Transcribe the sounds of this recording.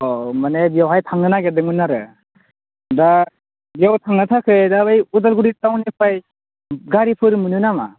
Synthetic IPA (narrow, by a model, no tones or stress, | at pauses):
ɔmanebijawɦajtʰaŋɯnaɡedɯŋɯnːaɾɯ | da | bijawtʰaŋnɯtʰakʰɯdabajudalɡuɾitawnipʰaj | ɡaɾipʰɯɾɯmɯnɯnama̰